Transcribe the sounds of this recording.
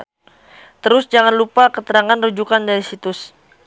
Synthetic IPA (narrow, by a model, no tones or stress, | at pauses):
t̪əɾʊsd͡ʒaŋanlupakət̪əɾaŋanrud͡ʒukandaɾisit̪ʊs